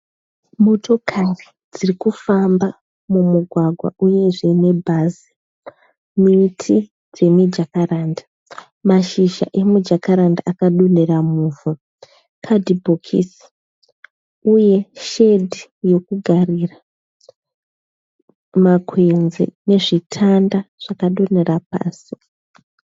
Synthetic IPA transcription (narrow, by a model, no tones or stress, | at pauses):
mo̞to̞kʰari | d͡zirikufamba | mumuɡʱwaɡʱwa̰ʔuje̞ʐeine̞bʱazi | mitʰi | d͡ze̞mid͡ʒakaɾaːndḁ | maʃiʃa̰ʔe̞mud͡ʒakaɾandaakaɗuneramuvu | kʰadibʱokʰḭs | uje̞ʃe̞dʱijo̞kuɡʱarira | makʰwe̞nzḛne̞ʐitʰandaʐ̥akaɗone̞rapa̰ːsi̥